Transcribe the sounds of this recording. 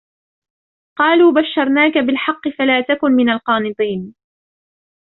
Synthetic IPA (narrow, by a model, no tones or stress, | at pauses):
qɑːluːbaʃːɑɾˤnaːkabɪlħɑqːɨfalaːt̪akʊnmɪnalqɑːnɨt̪ˤiːn